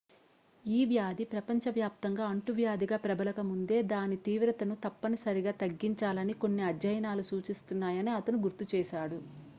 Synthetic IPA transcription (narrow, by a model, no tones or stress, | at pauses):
iːʋjaːd̪ipɾɐpɐɲt͡ʃɐʋjaːp̚t̪ɐŋɡaːɐɳʈuʋjaːd̪iɡaːpɾɐbɐlɐkɐmund̪e̞ːd̪aːnit̪iːʋɾɐt̪ɐnut̪ɐpːɐnisɐɾiɡaːt̪ɐɡːiɲt͡ʃaːlɐniko̞nːiɐdjɐjɐnaːlusuːt͡ʃist̪unːaːjɐniɐt̪ɐnuɡuɾt̪ut͡ʃɛːʃaːɽu